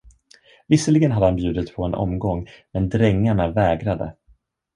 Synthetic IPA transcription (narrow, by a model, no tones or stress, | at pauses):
vɪsəlɪɡənɦad̪ːəhanbjʉ̟ːd̪ət̪pʰɔɛnʔɔ̰mɡɔŋːmɛnd̪ɾɛŋːaɳavɛːɡɾad̪ə̰